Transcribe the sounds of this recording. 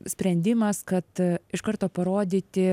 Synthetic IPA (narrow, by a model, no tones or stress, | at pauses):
sʲpʲɾʲɛnʲd̪ʲɪmɐskɐt̪ɪʃkɐrt̪oːpɐɾoːd̪ʲiːt̪ʲɪ